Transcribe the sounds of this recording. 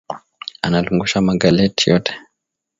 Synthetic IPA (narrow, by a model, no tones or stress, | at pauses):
analuŋɡuʃamaɡalɛtijɔtʰɛ̥